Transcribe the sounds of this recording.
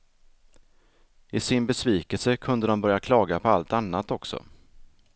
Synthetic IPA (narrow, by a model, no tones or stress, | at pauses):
ɪsɪnbɛsviːkəlsəkʰɵnd̪əd̪ɔmbœɾjakʰlɑːɡapʰɔalt̪anːat̪ɔksɔ̰